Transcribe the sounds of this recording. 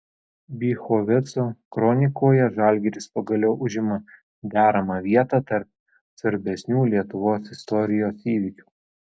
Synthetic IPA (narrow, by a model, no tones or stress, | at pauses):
bʲiːxoːʋʲɛt̪soːkɾɔnʲɪkoːjɛʒɑˑlʲɡʲɛɾʲɪspɐɡɐlʲɛʊʔʊʒʲɪmɐ | d̪ʲæːɾɐmɑʋʲiɛt̪ɑt̪ɐɾp̚ | sʋɐɾʲbʲɛsʲnʲuːlʲiɛt̪ʊʋoːsɪst̪ɔɾʲɪjoːsiːʋʲɪkʲuː